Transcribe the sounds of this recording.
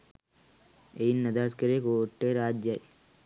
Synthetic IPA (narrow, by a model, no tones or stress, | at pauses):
ejinːɐd̪ʱaːskɐɾekoːʈːeɾaːd͡ʒjaji